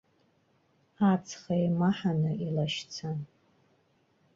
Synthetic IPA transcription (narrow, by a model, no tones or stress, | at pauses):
at͡sʰχajmaħanɨʔilaʃt͡sʰan